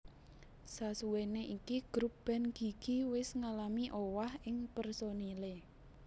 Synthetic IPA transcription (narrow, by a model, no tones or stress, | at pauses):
sasuweneʔikiɡ̥ɾub̥ɛ̤nɡ̥i̤ɡ̥iwɪsŋalamiʔowahɪŋpərsonile